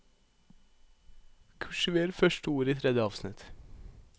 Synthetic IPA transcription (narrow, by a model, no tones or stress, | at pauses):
kʰʉʃʉʋeːɾfœʃʈəuːɾiːt̪ʰɾɛd̪jəɑːʋsnɪt̪